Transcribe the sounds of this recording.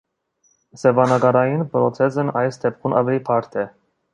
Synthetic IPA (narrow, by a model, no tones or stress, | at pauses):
sɛvɑnɑɡɑɾɑjinpɾɔt͡sʰɛzənɑjsd̪ɛp̚kʰunʔɑ̰vɛlipʰɑɾt̪ʰɛ